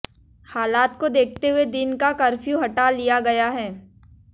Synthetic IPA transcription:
haːlaːt̪kod̪eːk̚ʰt̪eɦʊed̪ɪnkakɐɾfjuɦɐʈalijaɡɐjaɦɛː

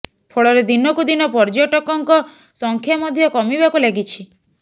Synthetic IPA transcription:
pʰoɭɔɾed̪inɔkud̪inɔpɔɾd͡ʒoʈɔkɔŋkɔ | sɔŋkʰjamɔd̪ʱjɔkɔmibakuleɡit͡ʃʰi

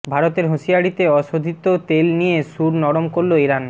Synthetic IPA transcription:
bʱaɾot̪eɾɦoʃiaɽit̪eɔʃod̪ʱit̪ot̪elnijeʃuɾnɔɽomkoɾloiɾan

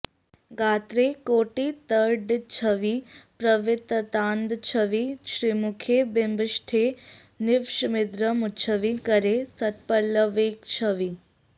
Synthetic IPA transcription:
ɡaːt̪ɾekoːʈit̪əɾɖt͡ʃʰəʋipɾəʋɪt̪ət̪aːnd̪t͡ʃʰəʋiʃɾimukʰebembʃʈʰe | nɪʋʃmɪd̪ɾəmut͡ʃʰəʋikəɾesət̪̚pəlːəʋekt͡ʃʰəʋi

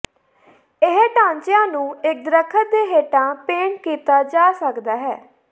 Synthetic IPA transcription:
ɪɦʈãːɲt͡ʃɪjãːnũːɪk̚d̪ɾəkʰːət̚d̪eːɦeːʈãːpeːɳkiːt̪aːd͡ʒaːsəkd̪aːɦɛː

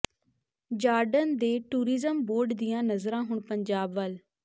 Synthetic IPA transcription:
d͡ʒaːɾɖənd̪eːʈuːɾɪzəmboːɾɖd̪ɪjãːnəzɾãːɦʊɳpəɲd͡ʒaːbʋəl

